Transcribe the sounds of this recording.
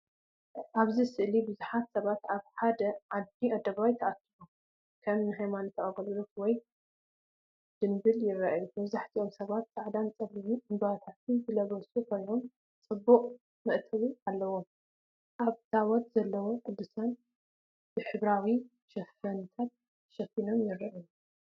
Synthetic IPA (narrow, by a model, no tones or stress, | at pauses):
ʔaβzisɨʔlibɨzuħat̪sɐβat̪aβħad̪ɐʕad̪iʔɐd̪ɐβajt̪ʰɐʔat̪ːilu | kʰɐmnɨɦajmant̪ʰɐʔʼɐɡɐlulotwɔj | d̪̥ɨnbɨljɪrːaʔjumɐβzaħt̪ʰiʔo̞msɐβat̪saʕd̪ant͡sʼɐlɨwuʔɨmbawt̪ʰat̪ʰɨnzɨlɐβɐsukʰo̞jno̞m | t͡sʼɨbːuqʼ | mɨʔt̪ʰɐβualːɐwo̞m | ʔaβt̪ʰawɔt̪z̥ɐlːɐwo̞ħɨd̪ːusan | b̥ɨħɨβɾawi | ʃɐfɐnt̪ʰat̪̚ | ʃɐfino̞mjɪrːaʔju